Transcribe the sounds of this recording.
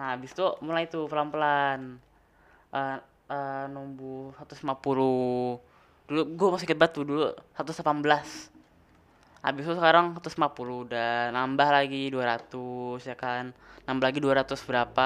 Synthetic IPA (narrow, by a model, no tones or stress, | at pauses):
naabɪst̪umulait̪upəlampəlan | ʔə | ənumbusat̪usmapulu | duluɡuamas̬ɪŋkət̪̚bat̪udulusat̪ʊslapanbəlas | ʔa̰bɪst̪usəkaɾaŋsat̪usmapuludanambahlaɡiduaɾat̪usjakanːambalaɡiduaɾat̪ʊsbəɾapa